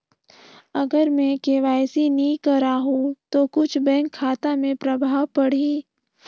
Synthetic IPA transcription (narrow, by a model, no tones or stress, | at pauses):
ɐɡəɾmɛ̃keʋaːjsinĩkəɾaːɦũt̪okʊt͡ʃʰbɛ̃ːŋkʰːaːt̪amẽpɾɐbʱaːwpɐɽ̤iː